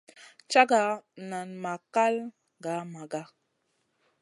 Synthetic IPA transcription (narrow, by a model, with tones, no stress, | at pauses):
t͡ʃa˦ɡa˨˦na˨nma˨ka˦l | ɡa˨˦ma˨ɡa˦